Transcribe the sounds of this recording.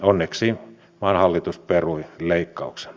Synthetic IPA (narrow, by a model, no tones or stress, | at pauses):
onːeksiː | mɑˑːnhɑlːit̪usperuileˑikːɑukse̥n